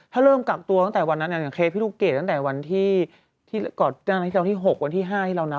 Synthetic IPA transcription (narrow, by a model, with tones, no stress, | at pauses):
t̪ʰaː˥˩ɾɤː˥˩mka˨˩k̚t̪u˧t̪a˥˩ŋt̪ɛː˨˩wa˧nːa˦˥a˨˩ja˨˩ŋkʰeː˦˥pʰiː˦˥˩uː˧˩keː˨˩t̪̚ːa˥ŋ˧t̪ɛː˨˩wa˧nt̪ʰiː˥˩ | t̪ʰiː˥˩˧kɔː˨˩˥a˥˩˧i˥˩˨t̪ʰiː˥˩ɦo˨˩k̚wa˧nt̪ʰiː˥˩ɦaː˥˩t̪ʰiː˥˩a˧wna˦˥